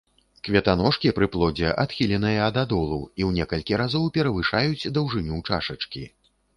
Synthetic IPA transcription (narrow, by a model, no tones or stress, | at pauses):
kvʲɛt̪anɔʂkʲipɾɨplˠɔd͡zʲɛʔa̰t̪xʲilʲɛnɨjɐɐd̪ad̪ɔlˠuwiwnʲɛkɐlʲkʲiɾazɔwpʲɛɾɐvɨʂajud͡zʲd̪ɐwʐɨnʲut͡ʂa̰ʂɐt͡ʂkʲi